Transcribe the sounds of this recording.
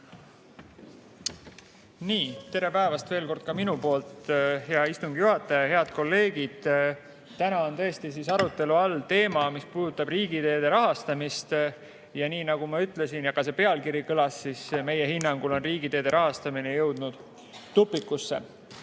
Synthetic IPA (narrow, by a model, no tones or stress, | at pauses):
niːt̪e̞ɾe̞pæevɑst̪ve̞ːlko̞rd̪̥̚kɑminupo̞ːlt̪heɑist̪uŋɡ̥ijuɦɑt̪ːˑɑjɑhe̞ɑd̪̥̚ko̞lːe̞ːɡ̥id̪̥ | t̪ænɑont̪ɤ̞est̪is̬isɑɾut̪ːˑe̞luɑlt̪e̞ːmɑmispuːd̪ut̪ːˑɑbriːɡ̥id̪e̞ːd̪e̞ɾɑɦɑst̪ɑmist̪ | jɑniːnɑɡumɑyt̪ˑle̞sinjɑkɑse̞pe̞ɑlkiɾikɤlɑsːisme̞je̞hinːɑŋɡ̥ulo̞nriːɡit̪e̞ːd̪̥e̞ɾʔɑɦɑst̪ɑminejɤ̞wd̪̥̚nud̪̥ː | upːˑikːˑusːḛ